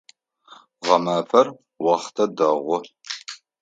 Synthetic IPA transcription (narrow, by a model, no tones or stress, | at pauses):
ʁɐmaːpʰɐr | wɑχtʰɐdɐʁʷɔ